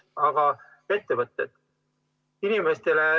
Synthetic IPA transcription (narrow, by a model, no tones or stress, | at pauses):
ɑɡ̥ɑ | e̞t̪ːevɤt̪ːˑed̪̥ | inimest̪e̞le